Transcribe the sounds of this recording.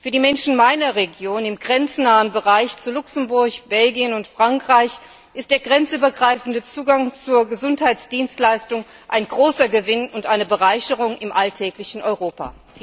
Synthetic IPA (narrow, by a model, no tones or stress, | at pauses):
fyːɐdiːmɛnʃn̩maɪnɐʁeɡjoːnɪmɡʁɛnt͡snaːənbəʁaɪçt͡sulʊksn̩bʊɐçb̥ɛlɡiənʊntfʁ̥aŋkʁ̥aɪç | ʔɪst̚d̥eːɐɡʁɛnt͡sʔyːbɐɡʁaɪfn̩dət͡suːɡaŋt͡suːɐɡəzʊnthaɪt͡sd̥iːnstlaɪstʊŋ | ʔa̰ɪnɡʁoːsɐɡəvɪnʊntʔaɪnəbəʁaɪçəʁʊŋɪmʔaltʰɛːklɪçn̩ʔɔʏʁoːpa̰ː